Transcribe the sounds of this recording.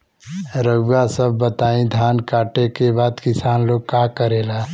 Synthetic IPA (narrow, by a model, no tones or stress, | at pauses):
ɾəɡɡasəbːət̪aːĩd̪ʱjaːnkaːʈekebaːd̪kɪsaːnloːɡkaːkəɾeːlaː